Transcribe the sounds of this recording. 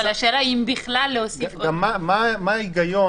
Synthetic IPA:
alaʃeɾaimbiχlalːehosifamamamaːiɡajo

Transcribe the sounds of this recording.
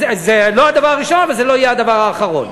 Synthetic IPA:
ezelo̞ad̪avaʁaʁiʃo̞navalzelo̞ajead̪avaʁaːχaʁo̞̰n

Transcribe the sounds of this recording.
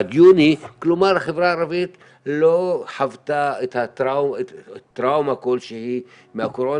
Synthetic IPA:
ad̪juniklomaɾhaχevɾaːɾavit̪ | loħavt̪aet̪hatawet̪ːɾawmakolʃehi | mehakoɾo

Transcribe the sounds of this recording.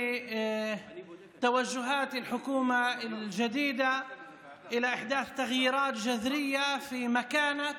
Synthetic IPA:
t̪awaʒːʊɦaːt̪ɪlħʊkuːmald͡ʒad̪iːd̪a | ʔɪlaʔɪħd̪aːθt̪aɣjiːɾɑːt̪d͡ʒaðɾɪjːafimakaːna

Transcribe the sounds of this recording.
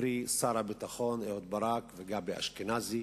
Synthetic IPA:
ɾisaɾabit̪aχoneot̪̚baɾakveɡabea̰ʃkenazi

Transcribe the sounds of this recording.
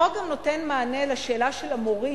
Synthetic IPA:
aɡamnotenmaːnelaʃe̞ːlaʃelamoʁi

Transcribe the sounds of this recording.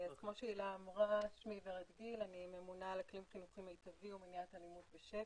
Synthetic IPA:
azkmo̞ʃeilaːmʁaʃmiveʁadɡilanimemunalaklimχinuχimajtaviuminjatalimut̪beʃe

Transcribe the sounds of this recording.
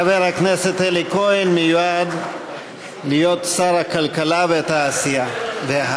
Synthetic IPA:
veɾakneset̪elikoinmijwad̪ | lijot̪saɾakɐlkɐlavet̪aːsijad̪eɦa

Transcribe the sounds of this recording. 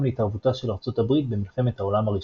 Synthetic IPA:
mleitaʁvutaʃe̞laʁt͡so̞tabʁit̪̚be̞milχe̞me̞t̪hao̞lamaʁiʃ

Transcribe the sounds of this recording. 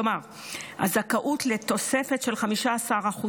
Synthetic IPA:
omaʁ | ha̰zakaʔutle̞t̪o̞se̞fe̞tʃe̞lχamiʃaasaʁaχu

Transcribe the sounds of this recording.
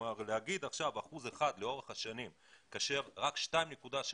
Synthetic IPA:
aʁlehaɡid̪aχʃavaχuzeχad̪leo̞ʁeχaʃanim | kaːʃe̞ʁʁakʃtaimnekudaʃ

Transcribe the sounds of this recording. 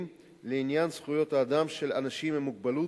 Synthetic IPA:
m | leinjansχujo̞t̪aːd̪amʃe̞lanaʃimemuɡ̚balu

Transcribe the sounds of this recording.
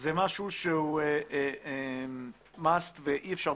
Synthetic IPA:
zemaʃuʃeueee | mast̪veʔiefʃaʁ

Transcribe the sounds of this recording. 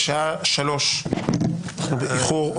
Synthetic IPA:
ʃaaʃalo̞ʃ | anaχnubeiχuʁ

